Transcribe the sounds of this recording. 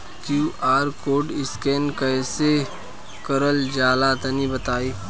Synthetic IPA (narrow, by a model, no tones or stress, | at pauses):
kjuːʔaːɾkoːɖɪskeːnkɐːse | kɐɾəld͡ʒaːlat̪ɐnĩbət̪aːiː